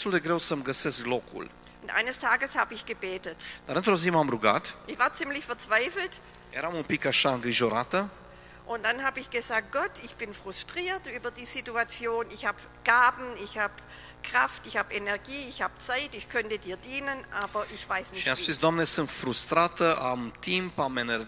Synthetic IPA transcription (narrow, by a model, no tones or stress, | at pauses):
t̪uld̪eɡɾe̞wsəmɡəsesklokṵl | ʔʊntʔa̰ɪnəstʰaːɡəshaːbəɪçɡ̥əbeːtətd̪̥aɾɨnt̪ɾozimamɾuɡa̰t̪ʔɪçv̥aːɐt͡sɪmlɪçfɛɐt͡sv̥aɪfl̩t | jeɾamunpikaʃaɨŋɡɾiʒo̞ɾa̰t̪ə | ʔʊntd̥anhaːbəɪçɡ̥əzaːk̚t̚ɡ̥ɔtɪçb̥ɪnfʁ̥ʊstʁ̥iːɐtʔyːbɐdiːzituat͡sjoːnɪçhaːb | ɡ̥aːbn̩ɪçhaːb | kʁ̥aftɪçhaːbenɛɐɡiːɪçhaːb̥̚t͡saɪtɪçkʰœntədiːɐdiːnənʔaːbɐʔɪçv̥aɪsnɪçiaszisd̪oamnesɨnt̪fɾust̪ɾat̪əʔamt̪ʰimpamene